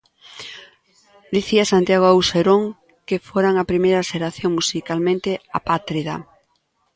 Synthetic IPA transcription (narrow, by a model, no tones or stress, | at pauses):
d̪iθiasant̪jaɣ̞oawseɾoŋ | kefoɾaŋapɾimejɾaʃeɾaθjoŋmusikalmẽnt̪ea̰pat̪ɾiða̰